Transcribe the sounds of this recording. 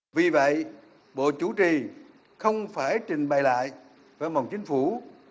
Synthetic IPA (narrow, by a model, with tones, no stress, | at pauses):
vi˨˩və̰˧˨j | ɓo̰˧˨t͡ɕu˧˦t͡ɕi˨˩ | xə˧wŋ͡mfaː˧˩jt͡ɕï˨˩ŋ̟ɓaː˨˩jla̰ː˧˨j | vaː˨˧˩ma˨˩wŋ͡mt͡ɕï˨˦ŋ̟fu˧˩˦